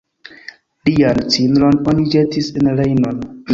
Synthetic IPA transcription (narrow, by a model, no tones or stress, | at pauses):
liant͡sinɾononid͡ʒetisenlejnon